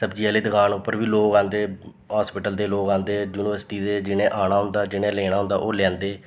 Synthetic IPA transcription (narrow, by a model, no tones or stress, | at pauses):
səbd͡ʒiːəleːd̪əkaːnʊpːəɾʋiːloːkãːnd̪eː | ɦaːspɪʈəld̪eːloːkãːnd̪eːd͡ʒuːnɪʋəɾsʈiːd̪eːd͡ʒɪɽ̃ẽːʔaːɽ̃aːɦʊ̃nd̪aːd͡ʒɪɽ̃ẽːlɛːɽ̃aːɦʊ̃nd̪aːʔoːlɛ̃ːnd̪eː